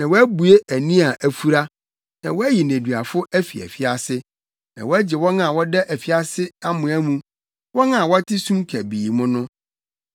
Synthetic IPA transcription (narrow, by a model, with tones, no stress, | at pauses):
nã˨wɔ˦æ˦bu˨e˦ʔæ˨nĩ˦a˨ʔæ˨fu˦ɾa˦ | nã˨wɔ˦æ˦ji˨nẽ˨dɥa˨fʊ˦ʔæ˦fi˨æ̰˨fi˦a˨sɪ˦ | nã̰˨wɔ˦æ˦d͡ʑɪ˨wɔ̃˦nã˨wɔ˦dɛ˦ʔæ˨fi˦a˦sɪ˦a˦mʊ̃˨æ̃˦mũ˦ | wɔ˦nã˨wɔ˦tʰɪ˦sũ˦ŋ˦kʰæ˨biː˨mʊ̃˦nʊ̃˦